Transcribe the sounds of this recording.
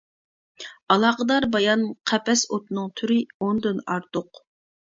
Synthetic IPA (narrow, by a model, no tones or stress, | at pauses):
ɑlˠɑːqəd̪ɑɾbɑjɑnqʰɛpɛsot̪nɨŋt̪ʰyɾɪond̪ynɑɾt̪ʊq